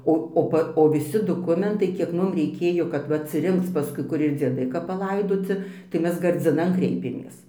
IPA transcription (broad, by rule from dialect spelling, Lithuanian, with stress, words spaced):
ˈoː oː ˈpɐ oː ʋʲɪˈsʲɪ doːˈkʊmʲɛntɐɪ kʲiɛk ˈmʊm rʲɛɪˈkʲeːjoː kɐt ˈʋɐ ɐtʲsʲɪˈrʲɪŋkt͡s pɐˈskʊɪ ˈkʊr ɪr d͡zʲiɛˈdɐɪ kɐp pɐˈlˠɐɪdoːt͡sʲɪ tɐɪ ˈmʲɛs ɡɐrʲd͡zʲɪˈnɐn ˈkrʲɛɪpʲeːmʲeːs